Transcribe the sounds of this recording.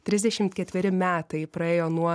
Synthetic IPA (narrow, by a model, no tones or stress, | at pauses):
t̪ʲɾʲɪzʲd̪ʲɛʃʲɪmt̪kʲɛt̪ʲʋʲɪɾʲɪmʲæːt̪ɐɪpɾɐeːjoːnuɔ